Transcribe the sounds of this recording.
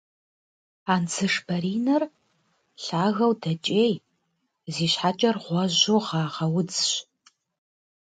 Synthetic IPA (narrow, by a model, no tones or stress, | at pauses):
aːnt͡sʰɨʂbɐɾiːnɐr | ɬaːɣɐwdɐt͡ʃʼeːj | ziːɕħat͡ʃʼɐrʁʷɔʑoʁɑːʁɐwʊd͡zɕ